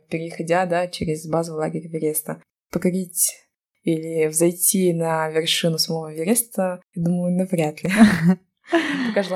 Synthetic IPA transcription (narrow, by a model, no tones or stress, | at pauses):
pʲɪɾʲɪxɐdʲad̪at͡ɕeɾʲɪzbazəvlˠaɡʲɪɾʲvʲɪɾʲest̪ə | pəkɐɾʲitʲ | ilʲɪvzɐjtʲinɐvʲɪrʂɨnʊsɐmovəvʲɪɾʲest̪əjad̪uməjʊnɐvɾʲat̪lʲɪ | əkɐʐlˠ